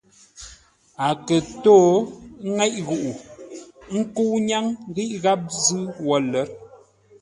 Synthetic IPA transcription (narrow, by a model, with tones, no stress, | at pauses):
a˨kə˨to˦ŋɛ˦ʔɣu˨ʔu˨ | ŋ̩˦ku˦ɲa˦ŋɣi˦ʔɣa˦p̚zɨ˦wɔ˨lə˨˦ɾ